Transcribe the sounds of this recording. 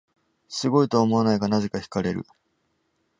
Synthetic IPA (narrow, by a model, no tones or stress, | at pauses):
sɨɡo̞it̪o̞ːmo̞anaiɡanaze̞kaçi̥kaɾe̞ɾɯ̟̰